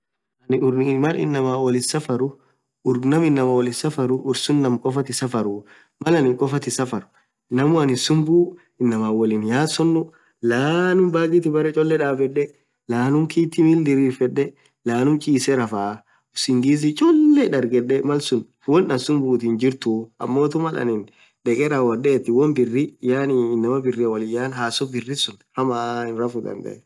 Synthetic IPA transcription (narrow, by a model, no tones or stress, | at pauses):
ɐnʊmɐlɪ̰nːɐmaːɔlɪsɐfɐɾʊ | ʊɾnɐmɪnːɐmɐwɔlɪsɐfɐɾʊʔʊɾsʊnːɐmkʼɔfɐt̪ɪsɐfɐɾʊ | mɐlɐnɪŋkʼɔfɐt̪ɪsɐfɐɾʊ̥ | nɐmʊɐnɪsʊmbuː | ɪnːɐmaːwɔlinjaːsɔnːʊ | laːnʊmbaːɡɪt̪ɪbɐɾɛt͡ʃʼɔlːɛᶑaːfɛᶑɛ | laːnʊmkiːt̪ːɪmɪld̪ɪɾiːfɛᶑːɛ | laːnʊmt͡ʃʼiːsɛɾɐfaː | ʊsɪŋɡiːzɪt͡ʃʼɔlːɛᶑɐɾɡɛᶑɛmɐlsʊn | wɔnːɐnsʊmbuːt̪iːnd͡ʒɪɾt̪ʊɐ̰mːoːt̪ʊmɐlɐ̰nɪn | ᶑɛkʼɛɾawɐdɛːt̪ːɪwɔnbɪrːɪjaːnɪɪnːɐmɐbɪrːɪɐwɐlɪjaːnhaːsɔbɪrːɪsʊnhɐmaːɪnɾafʊd̪ɐ̰nd̪ɛ̰ʔɛ